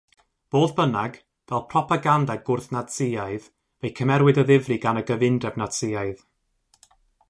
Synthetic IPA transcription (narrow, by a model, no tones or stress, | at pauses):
b̥oːðb̥ənaɡ | vɛlˠpʰrɔpʰaɡandaɡʊrθnatsɪjaɨð | vejkʰəmɛɾwɪdəðɪvriɡanəɡəvɪndɛvnatsɪjaɨð